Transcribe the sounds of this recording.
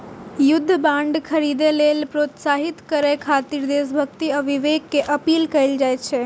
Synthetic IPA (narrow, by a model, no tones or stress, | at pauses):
jʊd̪ʱːəbãɳɖkʰəɾid̪elelpɾoːt̪saɦit̪kəɾekʰat̪iɾd̪es̬bʱək̚t̪iəʋʱiʋekːeʔəpiːlkəild͡ʒajt͡ʃʰɛ